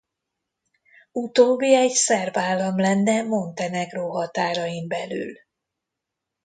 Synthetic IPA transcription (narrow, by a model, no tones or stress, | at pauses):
ut̪oːbːiɛɟsɛrvaːlːɒmlɛnːɛmo̞nt̪ɛnɛɡroːɦɒt̪aːɾɒjimbɛly̰l